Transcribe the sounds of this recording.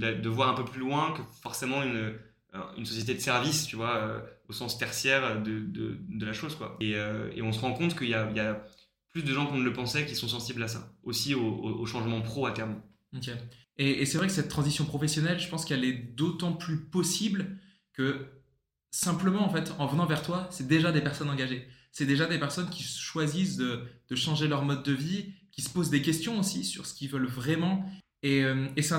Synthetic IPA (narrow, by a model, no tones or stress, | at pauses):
d̪ad̪əvwaʁɛ̃pøplylwɛ̃kəfɔʁsemɑ̃ynø̰ | ynsɔsjet̪ed̪əsɛʁvist̪yvwaø̰osɑ̃st̪ɛʁsjɛʁød̪əd̪ə̰d̪əlaʃozkwa̰eøḛɔ̃səʁɑ̃kɔ̃t̪kəiljailja | plysd̪əʒɑ̃kɔ̃nələpɑ̃sɛkʲisɔ̃s̬ɑ̃siblasa̰osioooʃɑ̃ʒmɑ̃pχoat̪ɛʁm | ke | eesɛvʁɛkə̥sɛt̪ːχɑ̃zisjɔ̃pχɔfɛsjɔnɛlʒəpɑ̃skɛlɛd̪ot̪ɑ̃plypɔsibl | kə | sɛ̃pləmɑ̃ːfɛt̪ɑ̃vənɑ̃vɛʁt̪wasɛd̪eʒad̪epɛʁsɔnɑ̃ɡaʒe | sɛd̪eʒad̪epɛʁsɔnkʲisə̥ʃwazis̬d̪əd̪̥əʃɑ̃ʒelœʁmɔd̪ːəvikʲisə̥pozd̪ekʲɛst̪jɔ̃osisyʁsə̥kʲivœlvʁɛmɑ̃ | eømes